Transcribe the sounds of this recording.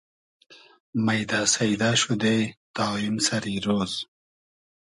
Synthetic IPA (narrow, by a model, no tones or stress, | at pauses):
mɐjd̪aːsɐjd̪aːɕud̪et̪aːimsɐɾiːɾoːz